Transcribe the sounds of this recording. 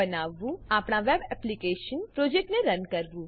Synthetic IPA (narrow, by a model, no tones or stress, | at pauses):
ənaːʋːũaːpɳ̃aʋebɛplikeːʃənpɾod͡ʒek̚ʈneɾənkəɾʋũː